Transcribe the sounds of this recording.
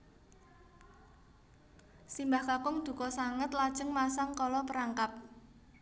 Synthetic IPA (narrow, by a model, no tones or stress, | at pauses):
simbahkakʊŋd̪̥ṳkɔsaŋət̪lad̥ʒ̥əŋmasaŋkɔlɔpəɾaŋkap̚